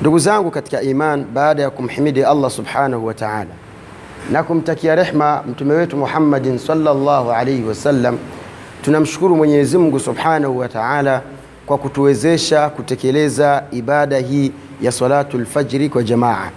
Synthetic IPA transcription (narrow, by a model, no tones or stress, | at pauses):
nduɡuzaŋɡukati̥kaimanɓaːɗajakum̩ħimiɗialːasubħaːnahuwataʕa̰ːla | nakum̩takiaɾɛħmam̩tumɛwɛtumuħamːadnsɑlːalːɑːhuʕalajhiwasalːam | tunam̩ʃu̥kuɾumwɛɲɛɛzimuŋɡusubħaːnahuwataʕaːla | kwakutuwɛzɛʃakutɛkɛlɛzaiɓaɗaɦiː | jasɑlaːtulfad͡ʒɾikwad͡ʒamaːʕa̰